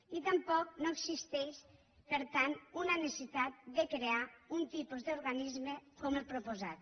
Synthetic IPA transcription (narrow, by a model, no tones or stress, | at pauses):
it̪empɔk̚noeksist̪ɛʃ | peɾt̪anunanesit̪at̪̚d̪ekɾeaunt̪ipuzd̪uɾɣanizmekomelpɾupozat̪